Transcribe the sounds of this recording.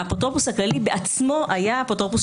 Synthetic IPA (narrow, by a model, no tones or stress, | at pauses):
apot̪ʁopushaklalibeʔat͡smo̞ʔajapot̪ʁopus